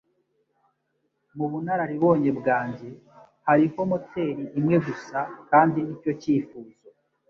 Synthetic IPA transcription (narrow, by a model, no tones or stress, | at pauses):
muβunaɾaɾiβo̞ːɲe̞bɡaːɲɟe̞ | haɾiho̞mote̞ːɾiʔimŋe̞ɡusakaːndinico̞ciːfuːzo